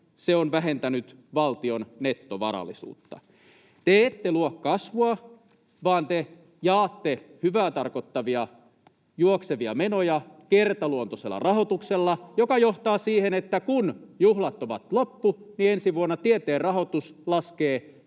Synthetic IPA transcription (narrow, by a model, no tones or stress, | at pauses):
seonʋæɦent̪ænyt̪ | ʋɑlt̪ionnet̪ːoʋɑ̰ɾɑ̰lːˑisṵːt̪ːɑ̰ | t̪eːt̪ːeluokːɑsʋoɑ | ʋɑːnt̪e | jɑːt̪ːehyʋæːt̪ɑrkot̪ːɑʋiɑ | juokseʋiɑmenojɑkert̪ɑluont̪oselːɑ̰rɑhot̪ukselːɑjokɑjoht̪ɑːsiːhenet̪ːækunjuhlɑt̪ːoʋɑt̪lopːuniensiʋuonːɑt̪iet̪eːrrɑho̞t̪uslɑskeː